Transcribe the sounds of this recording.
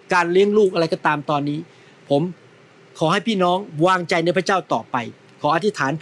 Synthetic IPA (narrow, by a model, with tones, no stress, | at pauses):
kaː˧nli˦˥əŋluː˥˩k̚ʔa˧ɾa˧jkɔː˥˩t̪aː˧mt̪ɔː˧nːiː˦˥ | pʰo˩˦m | kʰɔː˩˦ha˥˩jpʰiː˥˩nɔː˦˥ŋwaː˧ŋt͡ɕa˧jna˧˥˧pʰa˥˩t͡ɕaː˥˩wt̪ɔː˨˩pa˧j | kʰɔː˩˦ʔa˧t̪ʰi˦˥t̪ʰaː˩˦n